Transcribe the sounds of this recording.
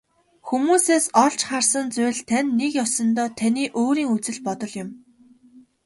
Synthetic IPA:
xumuːseːsɔɮt͡ɕχarsə̆nt͡sʊjɮt̪ʰænʲːekjɔsɞ̆nt̪ɔːt̪ʰæniːʔoːɾiːŋut͡sɘ̆ɮpɔt̪ɞ̆ɮjʊ̆m

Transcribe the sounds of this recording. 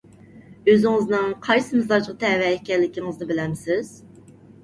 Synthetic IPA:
øzɪŋɪznɨŋqʰɑjsɨmɨzɑd͡ʒʁt̪ʰɛvɛɛkʲʰɛɾlɪkʲʰiŋɨzd̪ɨbɪlɛmsɪz̥

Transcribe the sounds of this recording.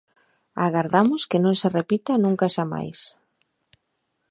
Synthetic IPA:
aɣaɾðamʊskɪnõŋserepit̪anũŋkaʃama̰js

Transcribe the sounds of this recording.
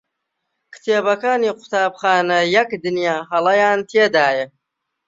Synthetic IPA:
kʰɨ̥t̪ʰeːbɐkaːniːqʰʊ̥t̪ʰaːbxaːnɐjɐkd̪ɨnjaːɦɐlˠɐjaːnt̪ʰeːd̪aːjɐ

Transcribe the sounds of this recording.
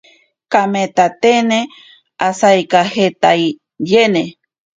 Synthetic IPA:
kamet̪at̪ene | asajkahet̪aj | jene

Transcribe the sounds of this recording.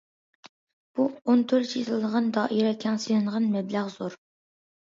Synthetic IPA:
b̥uont̪ʰølt͡ʃʰizlˠd̪əʁɑnd̪ɑːʔiɾɛkʲʰɛŋsinɨɴʁɑnmɛblæʁzoɾ

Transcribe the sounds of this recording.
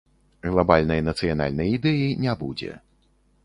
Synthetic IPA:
ɣlˠabalʲnɐjnɐt̪sɨjana̰lʲnɐjid̪ɛjinʲabud͡zʲɛ̰

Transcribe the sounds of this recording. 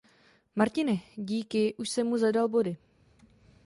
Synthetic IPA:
maɾcɪnɛɟiːkɪʔuʃsɛmːuzadalbo̞dɪ

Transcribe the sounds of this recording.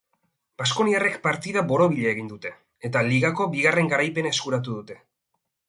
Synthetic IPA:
b̥asko̞niare̞kpaɾt̪iðaβo̞ɾo̞βiʎeːɣ̞ind̪ut̪e̞ | et̪aliɣako̞biɣare̞ŋɡaɾajpe̞nae̞skuɾat̪̬uðut̪e̞

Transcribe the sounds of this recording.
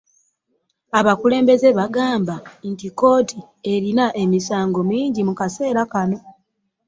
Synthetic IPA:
aβakule̞ːmbe̞ze̞βaɡaːmbantiko̞ːti | e̞ɾinaʔe̞misaːŋɡo̞miːɲɟimukase̞ːɾakano̞

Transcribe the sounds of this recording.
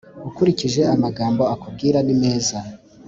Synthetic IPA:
ukuɾiciʒe̞amaɡaːmbo̞akub̚ɡiːɾanime̞ːza

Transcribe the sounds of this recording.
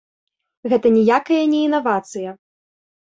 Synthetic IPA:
ɣɛt̪ɐnʲɛjakɐjɐnʲɛinavat̪sɨjɐ

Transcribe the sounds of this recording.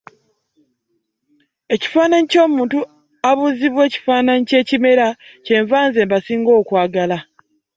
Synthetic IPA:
e̞ci̥faːnaɲico̞ːmuːntu | aβuziβwe̞ːci̥faːnaɲice̞ːcime̞ɾace̞ːɱvaːnze̞ːmbasiːŋɡo̞ːkwaːɡala

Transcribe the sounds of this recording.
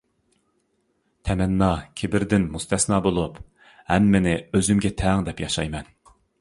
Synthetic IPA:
t̪ʰɛmɛnːɑkʲʰebɪɾd̪ɪnmust̪ʰɛsnɑːbolˠup | hɛmːenɪøzymɡʲɛt̪ʰɛŋd̪ɛpjɑʃɑjmɛn

